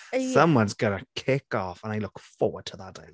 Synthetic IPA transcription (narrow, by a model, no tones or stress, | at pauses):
sʌ̃mwʌ̃nzɡənəkʰɪkɔfə̃najlˠʊkfɔːwəd̚tʰəðad̥aɪ